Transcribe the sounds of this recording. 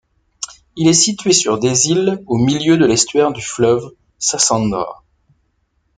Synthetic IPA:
ilɛsit̪ɥesyʁd̪ezilomiljød̪əlɛst̪ɥɛʁd̪yflœv | sasɑ̃nd̪ʁa̰

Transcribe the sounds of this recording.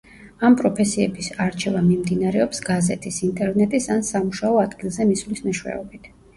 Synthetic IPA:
ampʼɾɔpʰɛsiɛbisaɾt͡ʃʰɛvamimd̪inaɾɛɔpsɡazɛt̪ʰisint̪ʼɛɾvnɛt̪ʼisansamuʃaɔad̪ɡilˠzɛmislisnɛʃwɛ̰ɔbit̪ʰ

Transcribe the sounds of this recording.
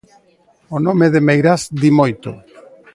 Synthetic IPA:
onomeðemejɾasd̪imojt̪o̰

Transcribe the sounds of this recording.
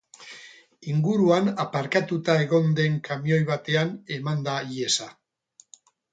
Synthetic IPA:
iŋɡuɾuanapaɾkat̪ut̪ae̞ɣ̞o̞nd̪e̞ŋkamjo̞jβ̞at̪e̞ane̞mand̪aie̞sa

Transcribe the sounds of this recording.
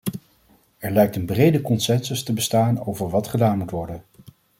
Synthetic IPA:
ɛɹlɛjk̚tənbrejdəkɔnsɛnsəstəbəstaːno̰wvəɹʋɑtχədaːnmutʋɔɹdən

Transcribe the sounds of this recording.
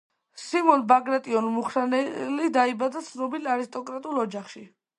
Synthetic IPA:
simɔnbaɡɾat̪ʼiɔnmuχɾanɛlid̪aibad̪at̪sʰnɔbilaɾist̪ʼɔkʼɾat̪ʼulˠɔd͡ʒaχʃi

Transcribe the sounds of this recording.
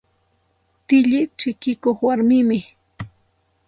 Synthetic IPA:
t̪ɪʎɪt͡ʃɪkɪkoχwaɾmɪmɪ

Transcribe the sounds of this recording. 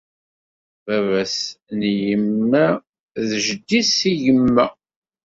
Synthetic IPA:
vævæsnjəmːæ | ðʒd̪isiʝəmːæ

